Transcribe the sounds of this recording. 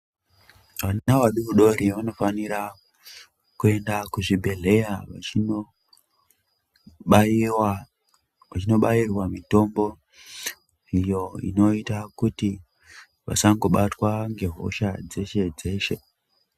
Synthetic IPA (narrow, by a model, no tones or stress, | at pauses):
ʋannawaɗuʋuɗo̞ɾiʋano̞faniɾa | kue̞ndakuʐibʱe̞ɮe̞jaʋai | w | ʋat͡ʃino̞ɓairwamito̞mbo̞ | ijo̞ḭno̞itakuti | ʋa̰saŋɡo̞ɓatwaŋɡe̞ɦo̞̰ʃad͡ze̞ʃe̞d͡ze̞ːʃe̞